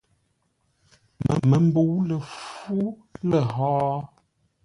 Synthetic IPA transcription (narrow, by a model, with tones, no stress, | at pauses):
mə̰˨mə˨m̩˦bo˨wlə˨fu˦ | lə˨ɦɔː˦